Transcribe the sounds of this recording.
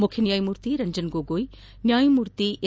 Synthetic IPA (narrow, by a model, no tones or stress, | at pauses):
mʊkʰjənjaːjimuːɾt̪iɾɐɲd͡ʒənɡoːɡoːi | njaːjimuːɾt̪iʔe